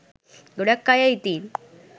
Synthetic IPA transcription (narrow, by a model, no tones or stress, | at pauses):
ɡoɽakːajajit̪iːl